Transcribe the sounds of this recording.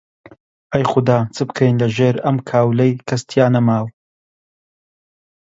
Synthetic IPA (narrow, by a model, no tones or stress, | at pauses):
ɐjχʊd̪aːt͡sʰɨbkʰɐjnlɐʒeːɾɐmkʰaːwlejkʰɐst̪ʰjaːnɐmaːw